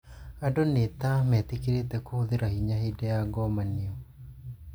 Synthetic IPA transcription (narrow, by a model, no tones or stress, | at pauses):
adonet̪amɛt̪ikiɾet̪ɛkohoðiɾahiɲahedɛaɡɔmaniɔ